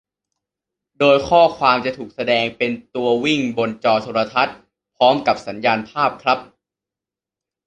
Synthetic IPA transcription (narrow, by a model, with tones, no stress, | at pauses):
doː˧jkʰɔː˥˩kʰwaː˧mt͡ɕa˨˩t̪ʰuː˨˩k̚sa˧dɛː˧ŋpe˧nt̪u˧ɐwi˥˩ŋbo˧nt͡ɕɔː˧t̪ʰoː˧ɾa˧t̪ʰa˦˥t̪̚ | pʰɾɔː˦˥mka˨˩p̚sa˩˦njaː˧npʰaː˥˩p̚kʰɾa˦˥p̚